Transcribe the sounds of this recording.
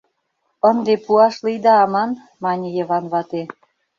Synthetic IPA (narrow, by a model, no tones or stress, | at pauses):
ə̆nd̪epuɑʃlijd̪ɑɑmɑn | mɑnʲijə̆βɑnβɑt̪e